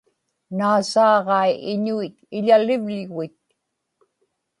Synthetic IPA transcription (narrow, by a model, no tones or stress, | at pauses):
naːsɑːʁɑiʔɪɲuit̪̚ɪʎalɪvʎɣuit̪̚